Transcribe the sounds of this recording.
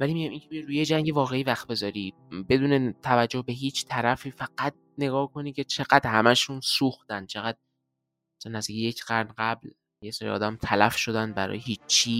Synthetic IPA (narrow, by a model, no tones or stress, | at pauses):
vælimiɟæmiːŋcʰemijeɾuːjed͡ʒæŋɟevɒːɣe̞iːvæxt̪̚be̞zɒːɾiː | be̞d̪uːnet̪ʰævæd͡ʒːohbe̞ɦiːt͡ʃʰt̪ʰæɾæfiːfæɡ̥æt̪̚ne̞ɡɒːhkʰoniːcʰe̞t͡ʃʰe̞ɣæd̪̥hæmæʃunsuːxt̪æn̥t͡ʃʰe̞ɣæd̪̥̚ | sʰenːæzd̪iːcʰijecʰɢ̥æɾnɢæbl | jesɒːɾiʔɒ̰ːd̪æmt̪ʰælæfʃo̞d̪ænbæɾɒ̰ːjeɦiːt͡ʃt͡ʃʰːi